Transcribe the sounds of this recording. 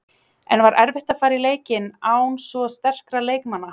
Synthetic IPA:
ɛ̰nvaɾʔɛɾvɪht̪afaːɾɪleːjcɪnaːwnsvɔst̪ɛr̥kɾaleːjkmanːa

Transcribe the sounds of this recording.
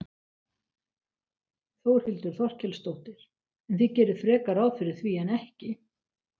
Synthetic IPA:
θowɾ̥hɪlt̪ʏɾ̥θɔr̥cɛlst̪owht̪ɪɾ̥ | ɛnθicɛːɾʏðfɾɛːkaɾawfɪɾɪɾ̥θviːɛnɛhcɪ

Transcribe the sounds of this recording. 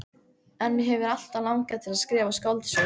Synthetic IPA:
ɛnmɪɦɛvɪɾal̥t̪alawŋkat̪ʰɪlaðskɾɛːvaskɔwlt̪sʏ

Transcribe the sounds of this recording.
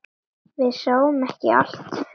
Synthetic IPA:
vɪðsoːwʏmɛhcɪa̰l̥t̪

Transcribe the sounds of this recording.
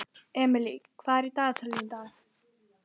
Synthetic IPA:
ɛmlikʰwaɾit̪ʼat̪ʰlind̪a

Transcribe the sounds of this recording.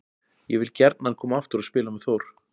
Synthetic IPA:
jɛvɪlcɛɾt̪nankʰɔːmaaft̪ʏɾaðspɪːlamɛðθowɾ̥

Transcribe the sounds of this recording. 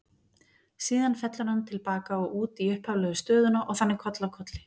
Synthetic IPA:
siːðanfɛt̪lʏɾhant̪ʰɪlpaːkaɔɣuːt̪iʏhphavlɛɣʏst̪œːðʏnaʔɔɣθanːɪkʰɔt̪lawkʰɔt̪lɪ

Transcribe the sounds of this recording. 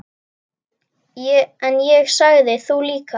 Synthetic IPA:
jɛɛnjɛɣsaɣðɪθuliːka

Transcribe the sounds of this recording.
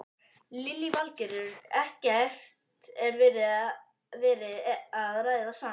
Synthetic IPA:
lɪlːivalcɛɾʏɾɛhcɛɛrft̪ɛɾvɛːɾɪ | vɛːɾɪðaðrajðɪðawsaː

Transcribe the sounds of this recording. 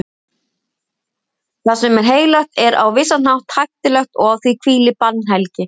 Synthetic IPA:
θasɛmɛɾ̥ɦeːjɣlaht̪ɛɾa̰wvɪsːanawht̪hajxt̪ɪlɛxt̪ɔɣawθvikʰviːlɪpannɦɛlcɪ

